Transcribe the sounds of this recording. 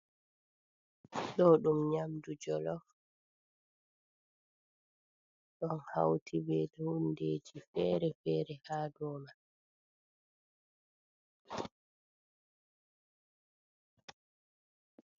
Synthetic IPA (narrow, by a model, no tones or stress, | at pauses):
ɗɔɗumɲamdud͡ʒɔlɔf | ɗɔnha̰wtʰibɛdɔndeːd͡ʒifɛːɾɛfɛːɾɛhaːdɔːma